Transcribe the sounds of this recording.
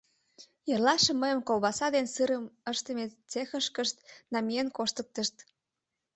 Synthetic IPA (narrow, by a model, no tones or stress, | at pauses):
jerlɑʃĕməjə̆mkolβɑsɑd̪ensɨɾəməʃt̪əmet͡sexəʃkəʃt̪nɑmijenkoʃt̪ə̆k̚t̪əʃt̪